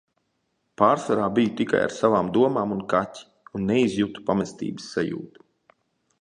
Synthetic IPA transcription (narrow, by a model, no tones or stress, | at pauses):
paːɾsaɾaːbijut̪ika̰ja̰ɾsavaːmd̪uɔmaːmunkat̪ʲi̥ | unːeizjut̪u̥pamɛst̪ḭːbəsːajṵːt̪u̥